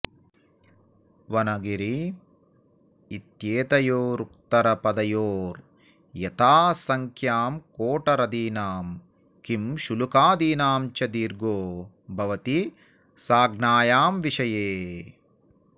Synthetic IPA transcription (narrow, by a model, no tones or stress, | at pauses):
ʋɐnɐɡiɾi | it̪jeːt̪ɐjoːɾuk̚t̪ɐɾɐpɐd̪ɐjoːɾ | jɐt̪aːsɐŋkʰjaːmkoːʈɐɾɐd̪iːnaːm | kimʃulukaːd̪iːnaːmt͡ʃɐd̪iːɾɡoː | bʱɐʋɐt̪i | saːɡnaːjaːmʋiʂɐjeː